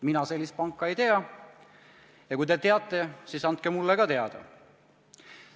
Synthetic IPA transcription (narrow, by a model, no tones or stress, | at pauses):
minɑse̞lːist̪̚pɑŋkːˑɑejt̪e̞ɑ | jɑkujt̪e̞t̪e̞ɑt̪ːˑe̞siːsɑnt̪̚kemulːekɑt̪e̞ɑd̪̥ɑ̰